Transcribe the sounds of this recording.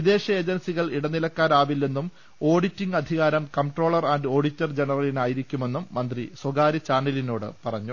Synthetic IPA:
ʋid̪e̞ːɕɐe̞ːd͡ʑɐnsiɣɐɭiɽɐnːilɐkːaːɾaːʋilːe̞nːum | o̞ːɽitːiŋɡɐd̪ʱiɣaːɾɐmkɐmʈroːɭɐraːnɖo̞ːɽitːɐrd͡ʑe̞nɐrɐlinaːjiɾikʲːume̞nːumːɐnd̪riswɐɡaːɾɐt͡ɕaːnɐlinoːɽɨ̰pɐrɐɲːu

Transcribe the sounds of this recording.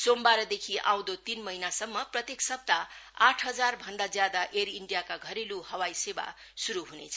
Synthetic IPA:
sombaɾʌd̪ekʰiʔã̰w̃d̪ot̪inmʌɦinasʌmːʌprʌt̪jeksʌb̚t̪aaʈʰɦʌd͡zarbʱʌnd̪ad͡zjad̪aʔeɾiɳɖijakaɡʱʌɾeluhʌwajseba̰ | suɾuɦunḛt͡sʰʌ

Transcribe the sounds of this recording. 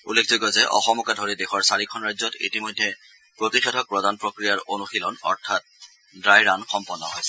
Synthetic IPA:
ulːekʰzukɔzɛʔɔ̰xɔmɔkadʱoɹidexɔɹsaɹikʰɔnɹajzɔtḭtimojdʱːɛ | pɹotixetʰɔk̚pɹɔdanpɹokɹijaɹonuxilɔnɔ̰ɹtʰat̚ | dɹajɹanxɔmpɔnːɔɦɔ̰j

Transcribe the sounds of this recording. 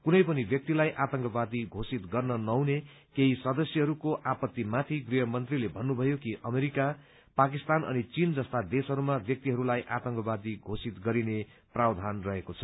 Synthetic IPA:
kunʌjpʌnibjʌk̚t̪ilajʔat̪ʌŋkʌbad̪iɡʱosit̪ɡʌrnʌnʌwne | keɦisʌd̪ʌsjʌɦʌɾukoʔapʌt̪ːimat̪ʰiɡriɦʌmʌnt̪rilebʱʌnːubʱʌjokiʔʌmeɾika | pak̬ist̪anʔʌ̰nit͡sind͡zʌst̪ad̪esɦʌɾumabjʌk̚t̪iɦʌɾulajʔat̪ʌŋkʌbad̪iɡʱosit̪ɡʌɾine | prawd̪ʱanrʌɦekot͡sʰʌ

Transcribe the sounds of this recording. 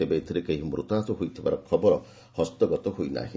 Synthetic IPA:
ebeːt̪ʰiɾekeɦimɾṵt̪at̪ɔɦojt̪ʰiba̰ɾɔkʰɔbɔɾɔ | hɔst̪ɔɡɔt̪ɔɦojna̰ɦi

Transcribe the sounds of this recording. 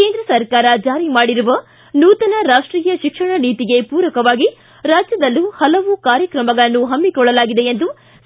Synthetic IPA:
ke̞ːnd̪ɾɐsɐɾkaːɾɐd͡ʒaːɾimaːɽiɾuʋɐ | nuːt̪ɐnɐɾaːʂʈɾiːjɐʃikʂɐɳɐniːt̪iɡe̞puːɾɐkɐʋaːɡi | ɾaːd͡ʒjɐd̪ɐlːuhɐlɐʋukaːɾjɐkɾɐmɐɡɐɭɐnːuɦɐmːikɔɭːɐlaːɡid̪e̞end̪u

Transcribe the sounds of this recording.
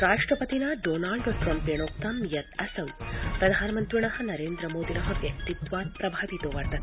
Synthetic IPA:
ɾaːʂʈɾɐpɐt̪inɐɖoːnaːɭɖoʈɾɐmpeːɳoːk̚t̪amjɐt̪ɐsɐwpɾɐd̪ʱaːnɐmɐnt̪ʋiɳɐɦɐ̆nɐɾeːnd̪ɾɐmoːd̪inɐɦɐʋjɐkt̪id̪ʋaːt̪̚pɾɐbʱaːʋit̪oːʋɐɾd̪ɐ

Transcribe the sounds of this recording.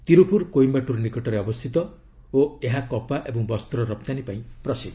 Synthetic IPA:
t̪iɾupuɾkojmbaʈuɾnikɔʈɔɾeɔbɔst̪ʰit̪ɔ | oeɦakɔpaʔebɔŋbɔst̪ɾɔɾɔp̚t̪anipaĩpɾɔsid̪

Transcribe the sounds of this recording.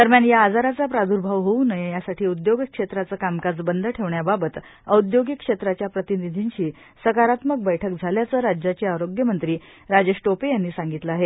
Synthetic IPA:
t̪əɾmjaɳjaːd͡zaɾat͡sapɾad̪ʱuɾbʱaʋɦounəjejasaʈʰiːud̪joɡəkʂet̪ɾat͡səːkamkad͡zbənd̪ʱəʈʰeʋɳjababət̪ | əud̪joɡəkʂet̪ɾat͡ɕjapɾət̪inid̪ʱiɲɕiː | səkaɾat̪mək̚bəjʈʰəkd͡zʱaljat͡səɾad͡ʑjat͡ɕiːaɾoɡjəmənt̪ɾiː | ɾad͡ʑeʂʈopejanːiːsaŋɡit̪ləaɦe

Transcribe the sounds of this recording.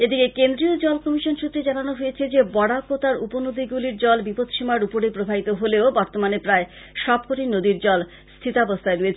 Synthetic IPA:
ed̪ikekend̪ɾiod͡ʑɔlkɔmiʃonʃut̪ːɾed͡ʑananoɦojet͡ɕʰed͡ʑebɔɽakot̪aɾuponod̪iɡuliɾd͡ʑɔlbipot̪ʃimaɾupoɾepɾobʱait̪oɦoleobɔɾt̪omanepɾae | ʃɔb̚koʈinod̪iɾd͡ʑɔl | st̪ʰit̪abost̪ʰaeɾujet͡ɕʰe

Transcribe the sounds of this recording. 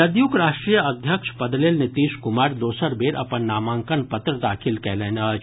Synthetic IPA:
ɐd̪jukɾaːʃʈɾijəɐd̪ʱjəkʃpɐd̪leːlnɪt̪iːʃkʊmaːɾd̪oːsəɾbeːɾʔɐ̰pɐnːaːmãːŋkənpɐt̪ɾəd̪aːkʰilkɛːleːnɐt͡ʃʰ

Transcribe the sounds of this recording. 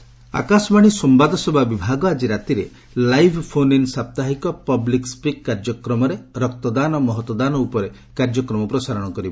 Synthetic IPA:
a̰kasɔmaɽ̃isɔmbad̪ʱɔsebʱabibʱaɡɔad͡ʒiɾat̪iɾe | lajbʰʱpʰoninsap̚t̪aɦikɔpɔblikspikːaɾd͡ʒɔkɾɔmɔɾeɾɔkt̪ɔd̪anɔmɔɦɔt̪ːɔd̪anɔupɔɾe | kaɾd͡ʒɔkɾɔmɔpɾɔsaɾɔɽ̃ɔkɔɾibɔ

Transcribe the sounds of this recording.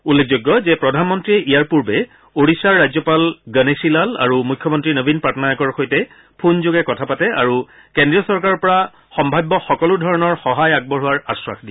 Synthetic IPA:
ulːek̚ʰzojɡːɔzɛpɹɔdʱanmɔntɹiɛʔijaɹpuɹbɛ | oɹisaɹːajzɔpalɡənesilala̰ɹumujkʰːjɔmɔntɹinobʱinpatɔnajɔkɔɹxojtɛ | pʰunzoɡɛkɔtʰapatɛa̰ɹu | kendɹijɔsɔɹkaɹɔɹpɔɹa | xɔmbʱajbːɔxɔkɔludʱɔɹɔnɔɹxɔɦajaɡ̚bɔɹɦʊwaɹaswa̰xʰdi

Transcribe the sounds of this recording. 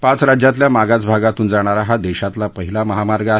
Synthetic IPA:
pãt͡sɾad͡ʑjãt̪ljamaɡat͡sbʱaɡat̪uːnd͡zaɽ̃aɾaɦad̪eɕat̪lapəɦilaməɦamaɾɡəa

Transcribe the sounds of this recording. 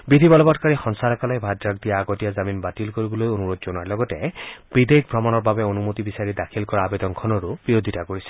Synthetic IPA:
bid̪ʱibɔlɔbɔtkaɹixɔnsaɹakalɔjbʱadɹakd̪ijaːɡɔtijazaminbatilkoɹibɔlojonuɹot̪̚zonaɹlɔɡɔtɛb̥id̪ek̚bʱɹɔmanɔɹbabɛonumotibisaɹidakʰilkɔɹaːbed̪ɔnkʰɔnɔɹub̥iɹod̪ʱitakoɹisɛ̥

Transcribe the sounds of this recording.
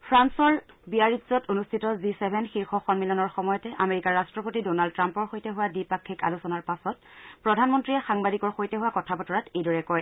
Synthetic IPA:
pʰɹansɔɹ | biaɹitzɔtonustʰitɔzisɛbʱɛnxiɹxɔxɔnmilɔnɔɹxɔmɔjɔtɛʔameɹikaɹastɹɔpotidonald̚tːɹampɔɹxojtɛɦʊwadipakʰːika̰lusɔnaɹpasɔtpɹɔdʱanmɔntɹiɛxaŋbadikɔɹxojtɛɦʊwakɔtʰapɔtɔɹatejdɔɹɛkɔj

